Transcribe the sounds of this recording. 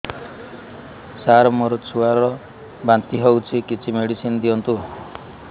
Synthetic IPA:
saɾɔmoɾɔt͡ʃʰuaɾɾɔ | bant̪iɦewt͡ʃʰikit͡ʃʰimeɽisind̪iɔnt̪u

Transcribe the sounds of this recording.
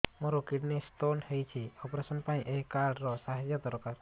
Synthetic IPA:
moɾokiɖnisʈ̪onhejt͡ʃʰiɔpɾesɔnpaĩʔeɦkaɽɾɔsaɦad͡ʒjɔt̪ɔɾɔkaɾ

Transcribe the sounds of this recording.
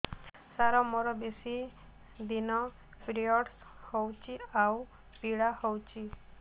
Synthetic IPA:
saɾɔmɔɾɔbesi | d̪inɔ | pɾiɔɽs | howt͡ʃʰiaw | piɽahowt͡ʃʰi

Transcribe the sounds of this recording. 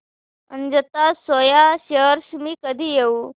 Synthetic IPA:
ənd͡ʑət̪asojaɕəəɾsmiːkəd̪ʱiːjeu

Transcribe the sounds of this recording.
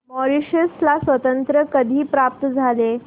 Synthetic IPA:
mɔɾiɕəslasʋət̪ənt̪ɾəkəd̪ʱiːpɾap̚t̪əd͡zʱale

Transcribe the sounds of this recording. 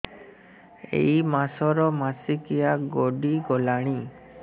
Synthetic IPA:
ḛjmasɔɾɔmasikijaɡoɖiɡɔlaɽ̃i

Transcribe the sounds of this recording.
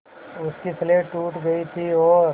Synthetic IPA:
ʊskisleːʈuːʈɡɐit̪ʰiɔː

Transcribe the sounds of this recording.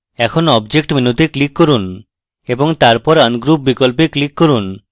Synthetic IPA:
ɛkʰonɔbd͡ʑek̚ʈminut̪eklikːoɾun | eboŋt̪aɾpɔɾanɡɾupbikolp̬eklikːoɾun

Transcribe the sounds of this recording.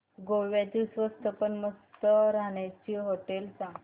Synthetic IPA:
ɡoʋjat̪isʋəst̪ʰəpəɳməst̪əɾaɳat͡ɕiɦoʈelsã

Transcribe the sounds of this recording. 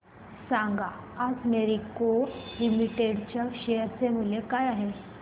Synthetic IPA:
sãŋɡaː | d͡zneɾikolimiʈeɽt͡ɕjaɕejəɾt͡semulekajaɦe

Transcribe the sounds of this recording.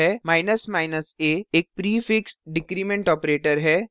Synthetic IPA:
ɛːmaːɪnəsmaːɪnəseːeːk̚pɾiːfɪksʈɖɪkɾiːmẽɳʈɔːpɾeːʈəɾɦɛː

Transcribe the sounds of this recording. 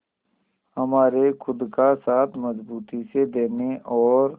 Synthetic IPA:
həmaːɾekʰʊd̪kasaːt̪ʰməzbuːt̪ised̪eːneʔɔːɾ

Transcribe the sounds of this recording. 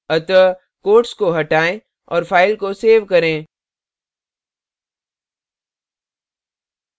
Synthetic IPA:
ɐt̪ə | koːʈskoɦɐʈaːẽ | ɔ̰ːɾfʰaːɪlkoseːʋkɐɾẽː

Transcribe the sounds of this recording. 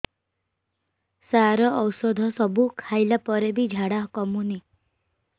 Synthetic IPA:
saɾɔɔwsɔd̪ʱɔsɔbukʰajlapɔɾebid͡ʒʱaɽaɦɔkɔmuni

